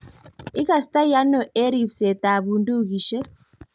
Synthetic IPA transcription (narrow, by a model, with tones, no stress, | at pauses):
i˦ka˨sta˦ja˦nɔ˨ʔe˦ɾi˨fsɛ˨ta˨βu˨ndu˦ɣi˨ʃɛ˦